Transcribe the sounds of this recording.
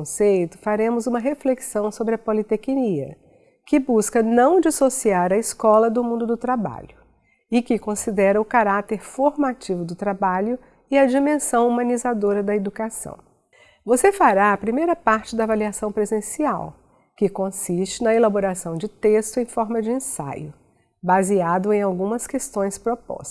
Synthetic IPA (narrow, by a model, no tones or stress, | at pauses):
sejt̪ʊ̥faɾẽmʊzũmɐɦefleksɐ̃w̃sobɾɪɐpolit̪ekiniɐ̰ | kɪbuskɐnɐ̃w̃d͡ʒisosiaɾɐiskɔlɐd̪ʊmũnd̪ʊd̪ʊt̪ɾaba̰ʎʊ | ɪkɪkõsid̪ɛɾɐʊkaɾat̪eɾfoɾmat͡ʃivʊd̪ʊt̪ɾabaʎʊ | ɪɐd͡ʒimẽsɐ̃w̃umɐ̃nizad̪oɾɐd̪ɐed̪ukasɐ̰̃w̃ | vosefaɾaɐpɾimejɾɐpaɾt͡ʃɪd̪ɐavaliasɐ̃w̃pɾezẽsia̰w | kɪkõsist͡ʃɪnɐelaboɾasɐ̃w̃d͡ʒɪt̪est̪ʊẽj̃fɔɾmɐd͡ʒɪẽsa̰jʊ | baziad̪ʊẽj̃awɡũmɐskest̪õj̃spɾopɔ̰s